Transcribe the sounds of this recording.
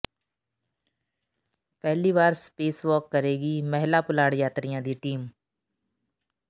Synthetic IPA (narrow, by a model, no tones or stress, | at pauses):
pɛɦliβaːɾspeːsʋɔːkːəɾeːɡimɛɦlapʊlaːɽjaːt̪ɾijãːd̪iːʈiːm